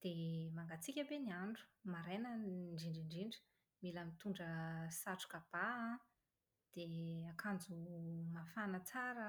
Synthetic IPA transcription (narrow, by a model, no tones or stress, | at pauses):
d̪̥emaŋɡat͡sikʲəbeniaɳɖ͡ʐu̥maɾenəɳɖ͡ʐiɳɖ͡ʐiɳɖ͡ʐiɳɖ͡ʐi̥ | milamit̪uɳɖ͡ʐəsaʈ͡ʂu̥kab̥a | d̪̥eakʰand͡zumafanət͡saɾə